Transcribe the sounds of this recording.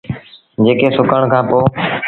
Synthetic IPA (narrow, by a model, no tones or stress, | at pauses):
d͡ʒeːkeːsʊkəɳ̃kʰãːpoː